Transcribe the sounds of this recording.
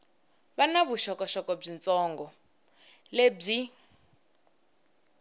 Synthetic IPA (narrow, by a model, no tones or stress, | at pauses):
βanaβuʃɔkɔʃɔkɔb͡ʐint͡sʼɔŋɡɔ | leb͡ʐi